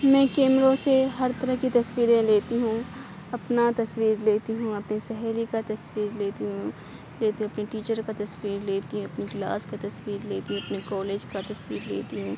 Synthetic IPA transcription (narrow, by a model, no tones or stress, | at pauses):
mɛ̃ːkeːmɾõseɦɐɾt̪ɐɾəɦkit̪ɐswiːɾẽleːt̪iɦũ | ɐpnat̪ɐswiːɾleːt̪iɦũɐpnisɛɦɛːlikat̪ɐswiːɾleːt̪iɦũ | leːt̪iɦũɐpniʈiːt͡ʃəɾkat̪ɐswiːɾleːt̪iɦũɐpniɡla̰ːskat̪ɐswiːɾleːt̪iɦũɐpnekɔːleːd͡ʒkat̪ɐswiːɾlḛːt̪iɦũː